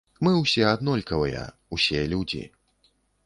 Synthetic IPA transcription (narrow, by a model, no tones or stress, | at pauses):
mɨwsʲɛad̪nɔlʲkɐvɨjɐ̰ | usʲɛlʲud͡zʲḭ